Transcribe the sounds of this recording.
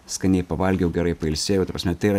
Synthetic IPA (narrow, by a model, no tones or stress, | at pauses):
skɐnʲɛɪpɐʋɐlʲɡʲjɛʊɡʲɛɾɐɪpɐɪlʲsʲeːjʊːt̪ɐpɾɐsmɛt̪ɐɪɾɐ